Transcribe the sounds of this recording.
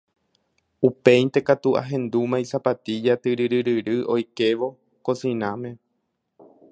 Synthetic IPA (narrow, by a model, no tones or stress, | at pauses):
upe̞j̪t̪e̞kat̪uʔa̰ɦẽ̞nd̪umãĩsapat̪id͡ʒat̪ɨɾɨɾɨɾɨɾɨʔo̞jke̞ʋo̞ | ko̞sĩnãmẽ̞